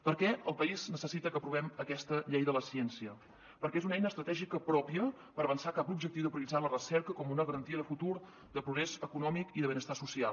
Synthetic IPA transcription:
pəɾkɛʔəlˠpəiznəsəsit̪əkəpɾuβɛməkɛst̪əʎejðələsɛnsiə | pəɾkɛezunɛjnəːst̪ɾət̪ɛʒikəpɾɔpiə | pəɾəβənsakapubʒək̚t̪iwðəpɾəlid͡zzalərəsɛɾkəkɔmunəɣəɾənt̪iəðəfut̪uɾ | d̪əpɾuɣɾezəkunɔmikiðəβənəst̪asusialˠ

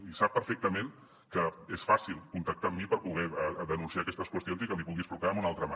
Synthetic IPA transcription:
isapːəɾfɛk̚t̪əmen | kəesfasilˠkunt̪ək̚t̪amːipəɾpuɣ̞ɛðənunsiakɛst̪əskwəst̪jonzikəmipuɣispɾukaəmunalˠt̪ɾəma

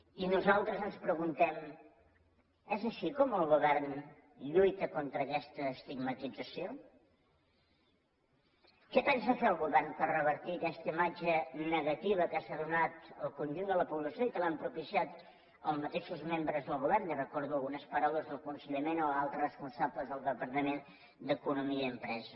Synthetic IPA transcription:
inuzalˠt̪ɾəzənspɾəɣunt̪ɛm | ɛzəʃikɔməlˠɣuβɛrn | ʎujt̪əkont̪ɾəːkɛst̪əːst̪iɡmət̪id͡zəsio | kɛpɛnsəfeəlˠɣuβɛɾnpərrəβ̞əɾt̪iəkɛst̪əimad͡ʒənəɣət̪iβ̞əkasaðunat̪əlˠkunʲʒund̪ələpuβləsjoikəlampɾupisiat̪ | əlˠmət̪eʃuzmembɾəzðəlˠɣuβɛrnirəkɔɾðuəlˠɣunəspəɾawləzðəlˠkunsəʎəmenoalˠt̪ɾərəspunsabləzðəlˠd̪əpəɾt̪əmen | d̪əkunumiəəmpɾɛzə

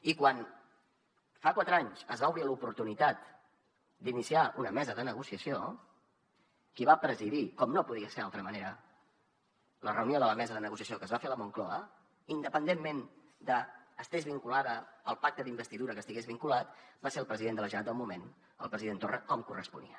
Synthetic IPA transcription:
ikwan | fakwat̪ɾaɲzəzβauβɾilupuɾt̪unit̪at̪ | d̪inisiaʔunəmɛzəðənəɣusiəsio | kiβapɾəziðikɔmnopuðiəseɾalˠt̪ɾəməneɾə | lərəwnioðələmɛzəðənəɣus̬iəsijokəzβafeləmuŋklɔə | ind̪əpənd̪emːen | d̪əːst̪ezβiŋkulaðəːlˠpak̚t̪əðimbəst̪iðuɾəkəst̪iɣezβiŋkulat̪̚baseɾəlˠpɾəziðend̪ələʒəat̪əlˠmumen | ə̰lˠpɾəziðent̪orəkɔmkurəspṵnḭə

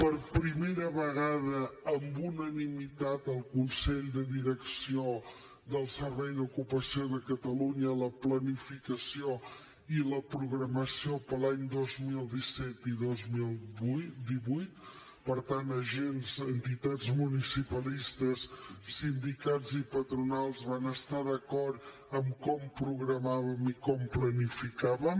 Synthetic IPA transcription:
pəɾpɾimeɾəβəɣað̞əːmbunənimit̪at̪əlˠkunsɛʎd̪əðiɾəksio | ðəlˠsəɾβɛjðukupəsioðəkət̪əluɲələplənifikəsio | iləpɾuɣɾəməsiopəlaɲd̪ozmilˠd̪isɛt̪iðozmilˠd̪iβujt̪̚ | pəɾt̪anəʒenzənt̪it̪ad͡zmunisipəlist̪əsːind̪ikad͡zzipət̪ɾunalˠzβanəst̪aðəkɔrɾt̪ | əmkɔmpɾuɣɾəmaβəmikɔmplənifikaβəm

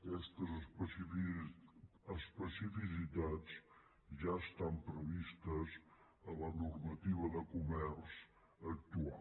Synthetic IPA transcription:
kɛst̪əz | əspəsifis̬it̪at͡s | ʒaəst̪ampɾəβist̪əz | ələnurmət̪iβəðəkumɛrs | ək̚t̪ua̰

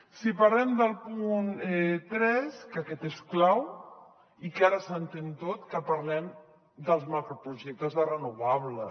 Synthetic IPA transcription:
sipaɾlɛmd̪əlˠpunɛt̪ɾɛskəkɛt̪esklaw | ikaɾəsənt̪ent̪ot̪kəpɐɾlɛm | d̪əlˠzmakɾopɾuʒɛk̚t̪əzðərənuβaβlə

